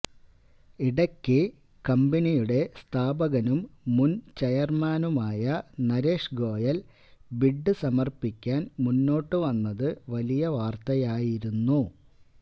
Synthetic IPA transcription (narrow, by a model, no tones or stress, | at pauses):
iɽɐkʲːɨ | kɐmbɐnijuɽe̞st̪ʰaːbɐɣɐnumːunt͡ɕɐjɐrmaːnumaːjɐnɐɾeːʂɡo̞ːjɐl | biɖːɨsɐmɐrpikʲːaːnmunːo̞ːʈːɨʋɐnːɐðɨʋɐlijɐʋaːrt̪ɐjaːjiɾunːu